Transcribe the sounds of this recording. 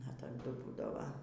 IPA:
ɐ tɐˈdʊ ˈbuːdɐʋɐ

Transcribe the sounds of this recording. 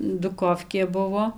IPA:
dʊˈkoːfʲkʲeː ˈbʊʋoː

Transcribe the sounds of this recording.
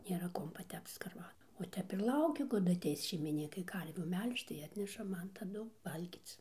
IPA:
nʲeːˈrɐ ˈkuɔm pɐˈtʲɛpt͡s skɐrˈʋɑːdʊ ʋɐ ˈtʲɛp ɪr ˈlˠɐʊkʲɪ kɐˈdʊ ɐˈtʲɛɪs ʃʲɛɪmʲɪˈnʲiːkɐɪ ˈkɐrʲʋʲuː ˈmʲɛlʲʃt͡ʃ tɐɪ ˈɑːtʲnʲɛʃɐ ˈmɐn tɐˈdʊ ˈʋɐlʲɡʲiːt͡s

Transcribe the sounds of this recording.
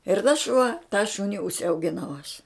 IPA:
ɪr tɐs ʃuɔ tɑː ˈʃʊnʲɪ ʊʃʲsʲɛʊɡʲɪˈnɐʊ ɐʃ

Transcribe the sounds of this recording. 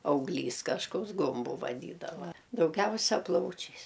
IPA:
ɐʊˈɡlʲiːs kɐʃˈkoːks ˈɡʊmbʊ ʋɐˈdʲiːdɐʋɐ dɐʊˈɡʲɛʊsʲɛ ˈplˠɐʊt͡ʃʲɛɪs

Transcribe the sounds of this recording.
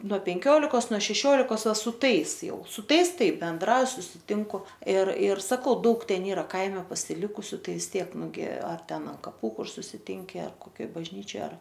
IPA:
nuɔ pʲɛŋʲˈkʲoːlʲɪkoːs nuɔ ʃʲɛˈʃʲoːlʲɪkoːs ˈʋɐ sʊ ˈtɐɪs ˈjɛʊ sʊ ˈtɐɪs ˈtɐɪ bʲɛnˈdrɐʊj sʊsʲɪˈtʲɪŋkʊ ɪr ɪr sɐˈkɐʊ ˈdɐʊk ˈtʲɛn ˈiːrɐ ˈkɐɪmʲɛ pɐsʲɪˈlʲɪkʊsʲʊ ˈtɐɪ ʋʲɪs ˈtʲiɛk nʊˈɡʲɪ ɐr ˈtʲɛn ɐn kɐˈpuː ˈkʊr sʊsʲɪˈtʲɪŋʲkʲɪ ɐr koːˈkʲoːj bɐʒʲˈnʲiːt͡ʃʲoːj ɐr

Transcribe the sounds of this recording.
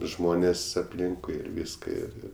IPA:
ˈʒmoːnʲeːs ɐpʲˈlʲɪŋkʊɪ ɪr ˈʋʲiːskɐ ɪr ˈɪr

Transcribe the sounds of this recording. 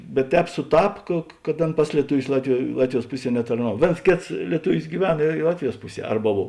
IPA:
bʲɛt ˈtʲɛːp sʊˈtɐp kɐ kɐt ˈɐn ˈpɐs lʲiɛtʊˌʋʲʊs ˈlˠɑːtʲʋʲɪˌjuɔ ˈlˠɑːtʲʋʲɪˌjuɔs ˈpʊˌsʲiɛ nʲɛtɐrˈnɐw ˈʋʲeːns ˈkʲeːts lʲiɛˈtʊʋʲɪs ɡʲiːˈʋʲɛn ɪ ɪ ˈlˠɑːtʲʋʲɪˌjuɔs ˈpʊˌsʲiɛ ˈɐrbɐ ˈboːw

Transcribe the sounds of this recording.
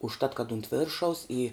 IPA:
ʊʃˈtɐt kɐt ʊnt ˈʋʲɪrʃɐʊs ɪ

